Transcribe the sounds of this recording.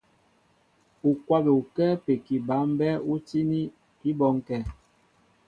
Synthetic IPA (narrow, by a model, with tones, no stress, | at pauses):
u˨kwa˦be˨u˨kɛ˦pe˨ki˨ba˨˦m˦bɛ˦u˦ti˦ni˦ | i˦bɔ˨˦ŋ˦kɛ˦˨